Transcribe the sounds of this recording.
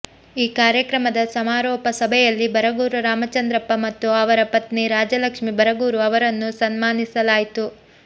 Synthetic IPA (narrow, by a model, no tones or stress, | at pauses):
iːkaːɾjɐkɾɐmɐd̪ɐsɐmaːɾɔːpɐsɐbʱɛjɐlːibɐɾɐɡuːɾuɾaːmɐt͡ʃɐnd̪ɾɐpːɐmɐt̪ːuɐʋɐɾɐpɐt̪niɾaːd͡ʒɐlɐkʂmibʱɐɾɐɡuːɾuɐʋɐɾɐnːusɐnmaːnisɐlaːjit̪u